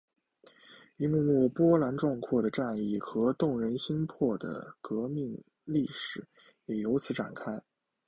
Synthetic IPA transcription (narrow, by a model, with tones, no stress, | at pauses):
i˧˥mu˥˧mu˥˩pwɔ˥la˧˥nʈ͡ʂwɑ˥˧ŋkʰwɔ˥˩d̪ə˩ʈ͡ʂa˥˧ni˥˩xɤ˧˥t̪ʊ˥˩ŋɻə˧˥nɕi˥ŋpʰwɔ˥˩d̪ə̰˩kɤ˧˥mi˥˧ŋ | li˥˩ʂɻ̩˨˩˦ | jɛ˨˩jo˧˥ʊt͡ɕʰi˧˥ʈ͡ʂa̰˨˩nkʰa˥ɪ